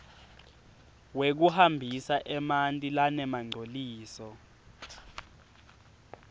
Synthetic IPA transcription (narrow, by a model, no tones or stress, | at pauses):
wek̬uhambʱisaʔɛmantʼilanɛmaŋ͡ǀʱoliːsɔ